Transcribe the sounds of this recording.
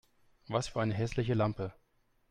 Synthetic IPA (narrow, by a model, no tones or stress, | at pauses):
vasfyːɐaɪnəɦɛslɪç̬əlampə